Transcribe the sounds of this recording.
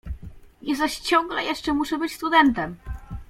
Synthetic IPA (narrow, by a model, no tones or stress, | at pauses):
jɛst̪aɕt͡ɕɔ̃ŋɡlɛjɛʂt͡ʂɛmuʂɛbɘt͡ɕst̪ud̪ɛnt̪ɛm